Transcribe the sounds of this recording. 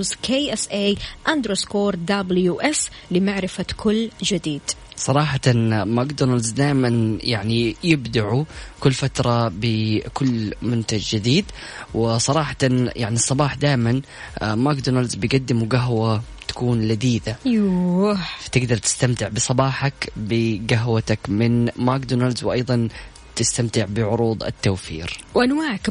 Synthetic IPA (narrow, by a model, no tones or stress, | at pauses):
zkʰeːʔɛsʔeːʔand̪ɾoskoːɾˤd̪abljuːʔɛs | lɪmaʕɾɪfakʰʊlːd͡ʒɪd̪iːd̪̥sˤɑɾˤɑːħat̪amakd̪onalzd̪aːjmanjaʕnijɪbd̪aʕukʊlːfat̪ɾˤɑbɪkʊlːmʊnt̪ad͡ʒd͡ʒɪd̪iːd̪ | wɪsˤɑɾˤɑːħḁt̪anjaʕnisˤːɑbɑːħd̪aːʔɪman | makd̪oːnalzbɪjɡad̪ːɪmuɡaɦwa | t̪ḁkuːnlad̪iːd̪aju | fḁt̪ɪɡd̪ɑɾˤt̪ɪ̥st̪amt̪ɪʕbɨsˤɑbɑːħakbɪɡaɦwat̪akmɪnmaːk̚d̪oːnalzwʔɑjðˤɑn | t̪ɪst̪amt̪ɪʕbɪʕʊɾuːd̪ˤɪ̰t̪ːawfḭːɾwʔanwaːʕak